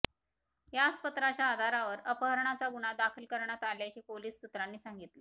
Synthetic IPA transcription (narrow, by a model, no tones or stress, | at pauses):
jaspət̪ɾat͡ɕjaːd̪ʱaɾaʋəɾəpəɦəɾɳat͡saɡuɳ̃ad̪akʰilkəɾɳjat̪aljat͡ɕiːpoliːsːut̪ɾanːiːsaŋɡit̪lə